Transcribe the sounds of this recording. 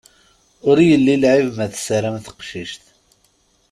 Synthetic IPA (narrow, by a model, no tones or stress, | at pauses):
ʊɾjəlːilʕivmæθsəɾæmθə̥qʃiʃt̪